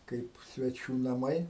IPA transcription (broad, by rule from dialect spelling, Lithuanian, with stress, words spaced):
ˈkɐɪp sʲʋʲɛˈt͡ʃʲuː nɐˈmɐɪ